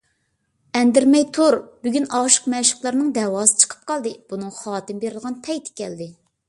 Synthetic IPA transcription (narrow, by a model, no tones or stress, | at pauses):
ɛnd̪ɪɾmɛjt̪ʰoɾbyɡʲynɑʃə̥qmɛʃɪ̥qlˠɑɾnɨŋd̪ɛwɑːsɨ̥t͡ʃʰə̥qʰə̥p̚qɑlˠd̪ɨb̥unɨŋχɑːt̪ɨmbeɾɪlˠʁɑnpʰɛjt̪ʰɪ̥kʲɛld̪ɪ